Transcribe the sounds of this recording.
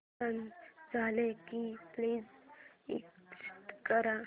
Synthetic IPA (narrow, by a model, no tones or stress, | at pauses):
and͡zalekipliːzḭkt͡ʃi̥t̪kəɾa